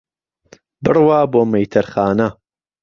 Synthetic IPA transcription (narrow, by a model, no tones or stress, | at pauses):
bɨrwaːboːmejt̪ʰɐɾχaːnɐ